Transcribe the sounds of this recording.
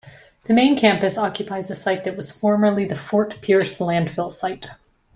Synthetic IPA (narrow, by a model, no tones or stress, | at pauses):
ðɨmẽɪ̃nkʰæ̃mpɨsɑkjɨpʰaɪzɨsaɪt̪̚ðɨt̚wʌz̥fɔɹmə˞lˠiðɨfɔɹt̚pʰɪɹslæ̃nd̥fɪlˠsaɪt